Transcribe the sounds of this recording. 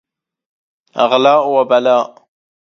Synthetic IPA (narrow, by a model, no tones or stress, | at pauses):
a̰ʁlaːʔwabalaːʔ